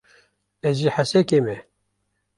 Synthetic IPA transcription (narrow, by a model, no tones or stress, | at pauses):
ɛziːħasɛkemɛ